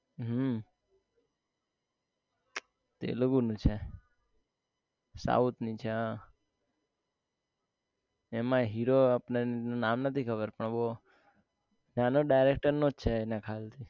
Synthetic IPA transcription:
ɦə | t̪ḛləɡunũt͡ʃʰe | sa̰ut̪nit͡ʃʰeã | emãɦiɾoapnenunamnət̪ʰikʰəbəɾpəɳbo | nanoɖajɾekʈəɾnõt͡ʃʰenãkʰalt̪ʰi

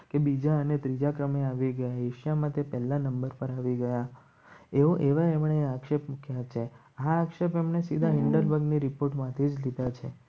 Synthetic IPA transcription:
kebid͡ʒaənet̪ɾid͡ʒakɾəmeaʋiɡəjaeʃjamãt̪epɛɦlːanəmbəɾpəɾaʋiɡəja | eʋoʔeʋaemɳeakʃepmũkʰjat͡ʃʰe | aːkʃepemnesid̪ʱaɦiɳɖəɾbəɡniɾipoɾʈmãt̪ʰid͡ʒlid̪at͡ʃʰḛ

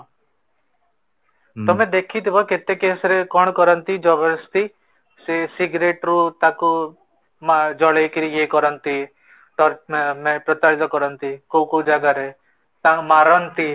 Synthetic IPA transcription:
t̪ɔmẽd̪ekʰit̪ibɔket̪ekesɾekɔɳ̃ɔkɔɾɔnt̪id͡ʒɔbɔst̪i | sesiɡɾeʈɾut̪aku | mad͡ʒɔɭejkiɾijekɔɾɔnt̪i | ʈɔmepɾɔt̪aɾit̪ɔkɔɾɔnt̪ikukubd͡ʒaɡaɾe | t̪amaɾɔnt̪i

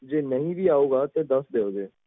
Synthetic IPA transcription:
d͡ʒeːnəɦĩbʱiaːoːɡaːt̪ed̪ɐsd̪eːoːɡeː

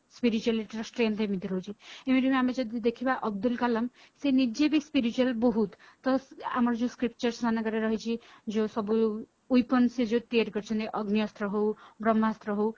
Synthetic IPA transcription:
spiɾit͡ʃualiʈɾʌsʈɾent̪emit̪iɾʌɦut͡ʃʰiemiɾimeamed͡ʒʌd̪id̪ekʰibaʔɔb̚d̪ulkalʌm | senid͡ʒebispiɾit͡ʃualbɔɦut̪ | t̪ʌa̰mɾd͡ʒũskɾip̚t͡ʃʌɾsmanaɡʌɾeɾʌɦit͡ʃʰid͡zosʌbuj | ujpʌnsed͡ʒoʈ̪eeɾɡʌɾt͡ʃʰʌnt̪iʔʌɡnijʌst̪ɾʌɦobɾʌmːast̪ɾɔɦow

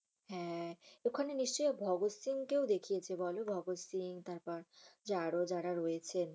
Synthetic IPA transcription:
ɦɛ̃ekʰaneniʃt͡ɕojbʱɔɡosiŋkewd̪ekʰijet͡ɕʰebɔlobʱɔɡosiŋt̪aɾpɔɾd͡ʑaɽod͡ʑaɾaɾoet͡ɕʰen

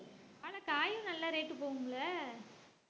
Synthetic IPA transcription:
aːɭɐkaːjɯ̃nɐlːaɾeːʈːɯpoːʋɯŋɡɐɭɐ

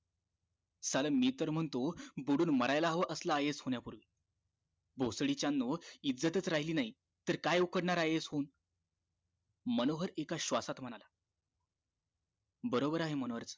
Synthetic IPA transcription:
saləmiːt̪əɾm̤əɳt̪obuɽuːnməɾajlaɦʋəʔəslaːjesɦoɳjapuɾʋi | bʱosɽit͡ɕjanːoid͡zət̪ət͡sɾaɦiliːnaɦi | t̪əɾkajukəɽɳaɾajet͡sɦon | mənoɦəɾekaɕʋasat̪m̤ənala | bəɾobəɾaɦemənoʋəɾt͡s

